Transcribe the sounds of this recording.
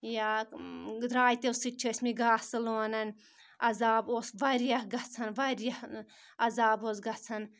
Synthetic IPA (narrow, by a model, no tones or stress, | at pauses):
jaː | d̪ɾaːjt̪ewsɨt͡ʃʰɐsʲmiɡaːsɨloːnɐnʲ | ɐzaːboːsʋɐɾjɐhɡɐt͡sʰɐnʋɐɾjɐh | ɐzaːboːsɡɐt͡sʰɐn